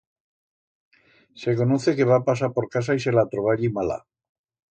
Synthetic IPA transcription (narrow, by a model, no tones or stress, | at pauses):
se̞ko̞noθe̞ke̞βapasapo̞ɾkas̬ais̬e̞lat̪ɾoβaʎimala̰